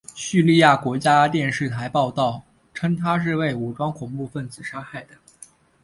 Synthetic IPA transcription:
ɕy˥˧li˥˧ja˥˩kwɔ˧˥t͡ɕja˥t̪jɛ˥˧nʂɻ̩˥˩t̪ʰa˧˥ɪpɑ˥˧ʊt̪ɑ˥˩ʊ | ʈ͡ʂʰɤ˥ŋt̪ʰa˥ʂ̬ɻ̩˥˧we˥˩ɪu˨˩ʈ͡ʂwɑ˥ŋkʰʊ˨˩ŋpu˥˧fə˥˩nd͡zɹ̩˨˩ʂa˥xa˥˩ɪd̪ə˩

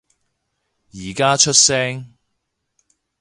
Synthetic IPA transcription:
jiː˨˩kaː˥t͡ʃʰɵ˥t̚sɛː˥ŋ

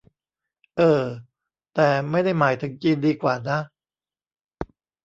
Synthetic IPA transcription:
ʔɤː˨˧˩ | t̪ɛː˨˩ma˥˩jda˥˩jmaː˩˦jt̪ʰɯ˩˦ŋt͡ɕiː˧ndiː˧kwaː˨˩na˦˥

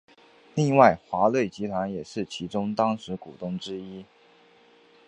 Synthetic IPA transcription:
li˥˧ŋwa˥˩ɪxwa˧˥lwe˥˩ɪt͡ɕi˧˥t̪ʰwa˧˥njɛ˨˩ʂɻ̩˥˩t͡ɕʰi˧˥ʈ͡ʂʊ˥ŋt̪ɑ˥ŋʂɻ̩˧˥kṵ˨˩t̪ʊ˥˩ŋʈ͡ʂɻ̩˥i˥

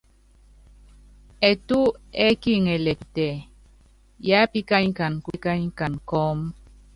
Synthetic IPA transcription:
ɛ˨tu˦ɛ˦ki˦ŋe˨lɛ˨ktɛ˨ | ja˦pi˦ka˦ɲ˦ka˨nkʷi˦ka˦ɲka˨nkɔ˦m

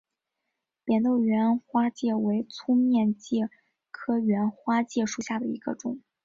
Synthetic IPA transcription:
pjɛ˨˩nt̪o˥˩ʊɥɛ˧˥nxwa˥t͡ɕjɛ˥˩we˧˥ɪt͡sʰu˥mjɛ˥˧nt͡ɕjɛ˥˩ | kʰɤ˥ɥɛ˧˥nxwa˥t͡ɕjɛ˥˧ʂu˨˩ɕja˥˩d̪ə˩ḭ˧˥ɡ̥ə̰˧ʈ͡ʂʊ˨˩˦ŋ

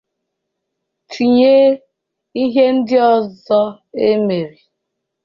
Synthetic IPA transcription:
tʰi˨ɲe˦ | i˦ɦe˦n̩˦dɪ˦ɔ˨zɔ˦ | e˦me˨ɾi˨

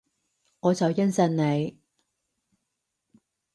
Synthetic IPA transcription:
ŋɔː˨˧t͡sɐ˨wjɐ˥nsɐ˧nne˨˧j

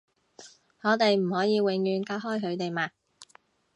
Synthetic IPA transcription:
hɔː˨˧t̪e˨jm̩˨˩hɔː˨˥jiː˨˧wɪ˨˧ŋjyː˨˧nkaː˧˥wɦɔː˥jɦɵ˨˧ɥt̪e˨jmaː˧˩

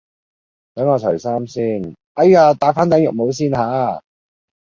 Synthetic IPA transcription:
kɐ˨˥maː˨˧tʰœ˨˩jsaː˥msiː˥˩n | ɐ˥jaː˧t̪aː˨˥faː˥nt̪ɐ˨˥ŋjʊ˨k̚mo˨˧ws̬iː˥nɦaː˨˥

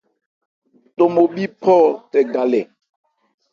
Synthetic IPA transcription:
to˨mo˨ɓi˦pʰɔ˦˨tɛ˨ɡa˨lɛ˨

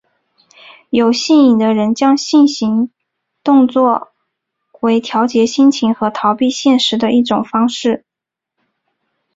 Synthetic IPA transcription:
jo˨˩ʊɕi˥˩ni˨˩d̪ə˦ɻə˧˥nt͡ɕjɑ˥ŋɕi˥˩nɕi˧˥ŋ | t̪ʊ˥˧ŋt͡swɔ˥˩ | we˧˥ɪt̪ʰjɑ˧˥ʊt͡ɕjɛ˧˥ɕi˥nt͡ɕʰi˧˥ŋxɤ˧˥t̪ʰɑ˧˥ʊpi˥˧ɕjɛ˥˩nʂɻ̩˧˥d̪ə˧ʔi˥˩ʈ͡ʂʊ˨˩ŋfɑ˥ŋʂɻ̩˥˩

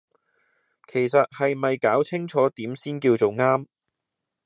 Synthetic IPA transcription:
kʰe˨˩jsɐ˨t̚hɐ˨jmɐ˨jkaː˨˥wt͡sʰɪ˥ŋt͡ʃʰɔː˨˥t̪iː˨˥msiː˥nkiː˧wt͡so˨wŋaː˥m

